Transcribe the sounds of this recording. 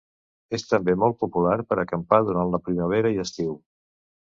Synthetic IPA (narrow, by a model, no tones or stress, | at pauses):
est̪əmbemɔlˠt̪̚pupulaɾpəɾəkəmpaðuɾanləpɾiməβ̞eɾəiəst̪iw